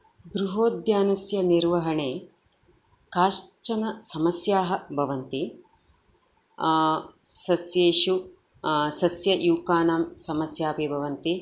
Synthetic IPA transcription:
ɡɾuɦoːd̪jaːnɐsjɐniɾʋɐɦɐɳeː | kaːʃt͡ʃɐnɐsɐmɐsjaːɦɐ̆bʱɐʋɐnt̪i | sɐsjeːʃu | sɐsjɐjuːkaːnaːmsɐmɐsjaːpeːbʱɐʋɐnt̪i

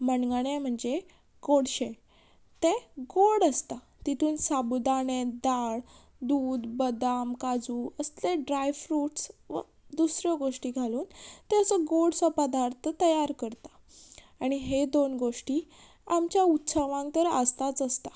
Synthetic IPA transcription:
məɳɡaɳjem̤əɳd͡ze | ɡoɽɕẽ | t̪eɡoɽəst̪a | t̪it̪ʰuːnsabud̪aɽed̪aɽ | d̪uːd̪bəd̪amkad͡zuːəst̪eɖɾajʋfɾuːʈsʋ̰ | d̪usɾjɔɡoʂʈiːɡʱaluːnt̪eəsəɡoɽsəpəd̪aɾt̪ʰət̪əjaɾkəɾt̪ḁ | aɽ̃iɦed̪onɡoʂʈiː | amt͡ɕjaut̪ːsəʋãŋɡt̪əɾəst̪at͡səst̪a

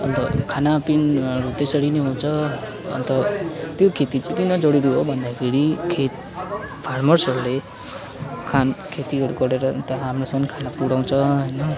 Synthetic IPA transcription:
ʌnt̪ʌkʰanapinʌɾut̪esʌɾinʌɦũt͡sʰʌ | ʌ̰nt̪ʌt̪jokʰet̪it͡sʌj̃pʌninʌd͡zʌɽiɾiɦobʱʌnd̪akʰeɾikʰet̪ | pʰarmʌrsʌɾule | kʰankʰet̪iɦʌɾukʌɽeɾʌ̰t̪jãɦamrosʌmʌnkʰanapuɽaw̃t͡sʰʌɦʌjnʌ

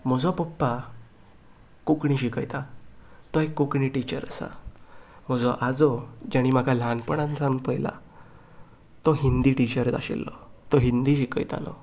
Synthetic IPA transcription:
m̤əd͡zɔpɔpːa | kukɳ̃iɕikəjt̪at̪ɔekːukɳiʈit͡ɕəɾə̰sa̰ | m̤əd͡zɔʔad͡zɔd͡ʑaɽ̃im̤akʰalanpəɳ̃ãnt͡sãŋpəjla̰ | t̪ɔɦind̪iʈit͡ɕəɾt̪a̰ɕḛlːɔ̰t̪ɔɦind̪iɕikəjt̪a̰lɔ̰

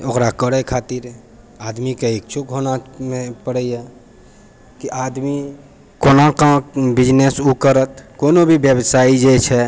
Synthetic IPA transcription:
okɾakəɽɛkʰat̪iɾ | ad̪mikeekt͡ʃʰukɦonamepəɽəja | kiʔad̪mi | konãkãbid͡ʒnesukəɾət̪konobʱibjəbsaid͡ʒɛt͡ʃʰɛ

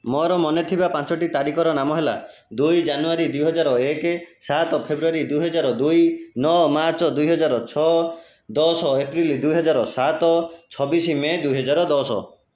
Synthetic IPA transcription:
mɔɾɔmɔnet̪ʰibapãnt͡ʃɔʈit̪aɾikʰɔɾɔnamɔɦela̰ | d̪ujd͡ʒanuaɾid̪ujɦɔd͡ʒaɾɔekesat̪ɔpʰebɾuaɾid̪ujɦɔd͡ʒaɾɔd̪ujnɔmaɾt͡ʃɔd̪ujɦɔd͡ʒaɾɔt͡ʃʰɔ | d̪ɔsɔepɾild̪ujɦɔd͡ʒaɾɔsat̪ɔt͡ʃʰɔbisimed̪uɦɔd͡ʒaɾɔd̪ɔsɔ̰

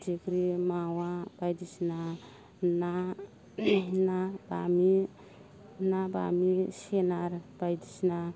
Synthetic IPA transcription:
tikɾimawabajd̪isna | na | nabami | naba̰misenaɾb̥ajd̪isna

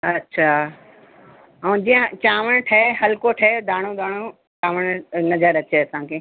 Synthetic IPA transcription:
ɐtːɕʰaː | ɛ̃d͡ʑijə̃t͡ɕaːʋəɽ̃ʈʰɐeɦɐlkoʈʰɐed̪ʱaːɽ̃od̪ʱaːɽ̃o | t͡ɕaːʋəɽ̃nɐzəɾɐt͡ɕeɐsãkʰeː

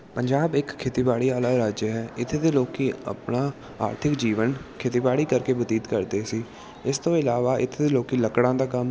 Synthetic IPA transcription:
pəɲd͡ʒaːbɪkkʰːeːt̪iːbaːɽiːaːlaːɾaːd͡ʒjəɦɛːɪt̪ʰːeːd̪eːloːkiːə̰pnaː | aːɾt̪ʰɪkd͡ʒiːʋənkʰeːt̪iːbaːɽiːkəɾkeːbəd̪iːd̪kəɾd̪eːsiː | ɪst̪õːɪlaːʋaːʔɪt̪ʰːeːd̪eːloːkiːləkɽãːd̪aːkəm

